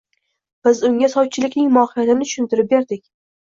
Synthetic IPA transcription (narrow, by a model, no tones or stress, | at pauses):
b̥ɪzʊŋʲasɒw̚t͡ʃʰɪlɪkʲnɪŋmɒhɪjat̪ɪmnɪt̪ʰʊ̥ʃʊnt̪ʰɪɾɪp̚be̞ɾd̪ɪkʲ